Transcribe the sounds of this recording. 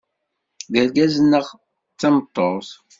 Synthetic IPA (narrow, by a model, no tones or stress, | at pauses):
ðəlɡæzənːəʁ | t͡sːɑmət̪ˤːoθ